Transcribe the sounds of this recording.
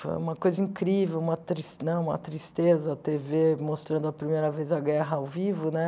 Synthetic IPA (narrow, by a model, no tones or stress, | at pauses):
fo̰jũmɐkojzɐĩŋkɾivewũmɐt̪ɾisnɐ̃w̃ũmɐ̰t̪ɾist̪ezɐɐt̪evemost̪ɾɐ̃nd̪ʊɐpɾimejɾɐvejzɐɡɛɦɐawvivʊnɛ